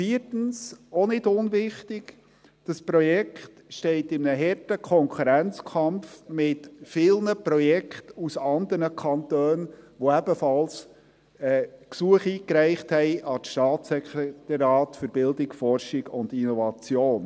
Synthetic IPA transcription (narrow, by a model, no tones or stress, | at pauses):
fiːərtən̩sɔnɪdʊnʋɪχtɪɡ | d̥ɑspɾɔjɛkχtʃtɛɪtɪmnəɦɛrtəkʰɔŋkʰuɾænt͡skʰɑmfmɪtfɪlnəpɾɔjɛkχtusɑnd̪əɾnəkʰχɑnt̪øːnʋoæb̥əfɑls | ɛksuəχiːkɾæɪχthɛɪʔɑtʃtɑːtsɛkɾɛt̪ɑɾjɑːtfʏɾb̥ɪldɪkfɔrʃɪɡʊndinɔvɑt͡sjoːn